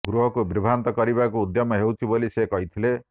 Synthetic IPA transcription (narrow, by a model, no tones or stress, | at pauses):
ɡɾuɦɔkubɾibʱant̪ɔkɔɾibakuːd̪jɔmɔɦewt͡ʃʰibolisekɔɦit̪ʰile